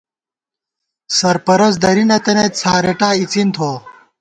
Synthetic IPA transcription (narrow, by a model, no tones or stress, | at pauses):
sɐɾpɐɾɐs̬d̪ɐɾinɐt̪ɐnet̪̚t͡sʰaːɾeʈaːit͡sint̪ʰoː